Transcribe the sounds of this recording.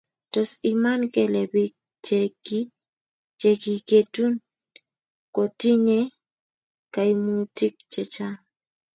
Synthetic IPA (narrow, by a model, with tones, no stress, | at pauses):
tɔ˨si˨ma˦nkɛ˨lɛ˨bi˦ | t͡ʃeki˦ | t͡ʃe˨ki˨ke˨tu˦n | kɔ˨ti˦ɲe˦ | ka˨imuti˦k̚t͡ʃɛ˨t͡ʃa˦